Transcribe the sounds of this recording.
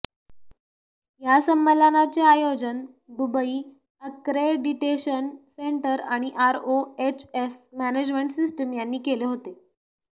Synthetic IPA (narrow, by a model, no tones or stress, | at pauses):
jasəmːəlanat͡seajod͡zən | d̪ubəiː | əkɾeɖiʈeɕənseɳʈəɾaɽ̃iʔaɾoet͡ɕesmæned͡ʑmeɳʈsisʈəmjanːiːkeleɦot̪e